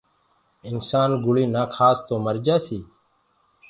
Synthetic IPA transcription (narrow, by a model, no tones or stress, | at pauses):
ɪnsaːnɡʊɭiːnaːkʰaːst̪oːməɾd͡ʒaːsiː